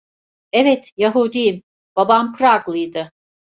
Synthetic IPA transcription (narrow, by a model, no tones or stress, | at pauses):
ɛvɛt̪jaɦud̪ijm | b̥abampɾaɡlˠɯjd̪ɯ